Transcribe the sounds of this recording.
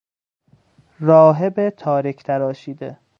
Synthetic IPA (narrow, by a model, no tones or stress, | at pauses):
ɾɒːɦebet̪ʰɒːɾikʰt̪ʰæɾɒːʃiːd̪e